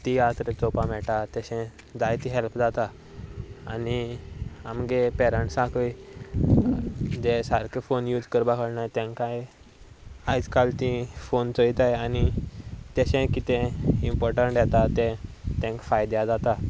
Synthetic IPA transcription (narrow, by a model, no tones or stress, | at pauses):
t̪iat̪ɾet͡sɔpam̤ɛʈat̪ɛɕɛ̃ | d͡zajt̪iɦɛlpd͡zat̪a | ani | amɡepɛɾəɳʈsãkʰj | d͡zesaɾkʰefonjud͡zkəɾbakəɽnajt̪ɛ̃ŋkaj | ajd͡zkalt̪ĩfont͡sojt̪ajanit̪eɕɛ̃kit̪ɛ̃impɔɾʈəɳʈɖjɛt̪at̪ɛ̃t̪ɛ̃ŋkfajd̪jad͡zat̪a